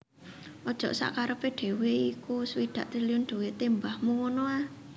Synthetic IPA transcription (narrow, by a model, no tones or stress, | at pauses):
ʔɔd̥ʒ̥ɔ̤ʔsa̰ʔkaɾəpeɖ̪̥e̤weikuswid̪̥ä̤ʔt̪ɾiliʊnɖ̪̥o̤wet̪embahmuwɔnoa